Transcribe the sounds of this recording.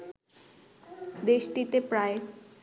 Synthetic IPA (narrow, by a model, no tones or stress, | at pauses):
d̪eʃʈit̪epɾae